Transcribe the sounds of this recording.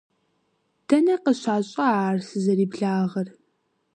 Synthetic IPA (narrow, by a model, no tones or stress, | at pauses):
d̥ɐnɐqəɕaːɕʼɐaːrsɨzɐɾiːbɮaːʁɐr